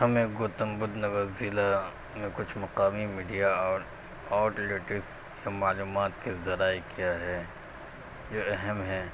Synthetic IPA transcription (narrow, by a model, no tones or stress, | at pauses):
hɐmẽɡoːt̪əmbʊd̪nɐɡəzɪla | mẽkʊt͡ʃʰmɐqaːmimiːɖija | aːʈleːʈɪksjamaːluːmaːt̪kezɐɾaːekijaɦɛː | d͡ʒoːɛɦɛmɦɛː